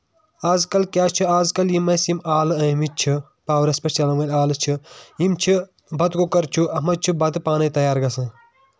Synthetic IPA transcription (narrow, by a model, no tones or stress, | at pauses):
aːzkɐlkʲaːt͡ʃʰiaːzkɐljimɐsimaːlɨɐmit͡ʃʰi | paːwɾɐspɐɾt͡ʃɐlɐmʋɐlʲaːlɨt͡ʃʰijimt͡ʃʰi | bɐt̪kokɐɾt͡ʃʰuʔɐmɐt͡ʃʰubɐt̪ɨpaːnɐjt̪ɐjaːɾɡɐsɐ̃